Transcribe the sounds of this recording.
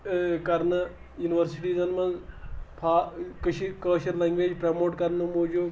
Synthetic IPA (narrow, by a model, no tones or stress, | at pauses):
kɐɾnə | juːniʋəɾsiʈiːzɐnmɐzpʰaːkəʃʰikɐːʃəɾlẽːŋɡʋeːd͡ʒpɾaːmoːʈkɐɾnəmoːd͡ʒu